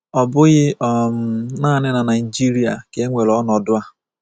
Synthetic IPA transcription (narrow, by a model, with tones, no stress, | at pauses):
ɔ˨bʊ˦ɣɪ˦ɔ˨m˨naː˦˨nɪ˦na˨na˨ɪ˨d͡ʒi˦ɾi˨˦a̰˨ke˦ŋʷe˨lɔ˨˦nɔ˨dʊ˦a˦